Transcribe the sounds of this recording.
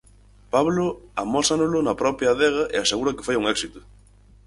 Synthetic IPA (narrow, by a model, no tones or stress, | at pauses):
paβlʊamɔsanʊlʊnɐpɾɔpjaðɛɣ̞ɐʔeaseɣuɾɐke̥fojuŋɛksit̪ʊ̥